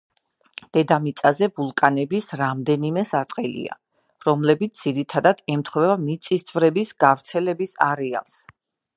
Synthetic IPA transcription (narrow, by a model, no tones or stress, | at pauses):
d̪̥ɛd̪amit̪sʼazɛbulˠkʼanɛbisɾamd̪ɛnimɛsaɾt̪ʼqʼɛlḭa̰ | ɾɔmlɛbit̪s̚d̪z̥iɾit̪ʰad̪ad̪̥ɛmt̪χvɛvamit̪sʼist̪sʰʼvɾɛbisɡ̥avɾt̪sʰɛlɛbisa̰ɾɛa̰lˠs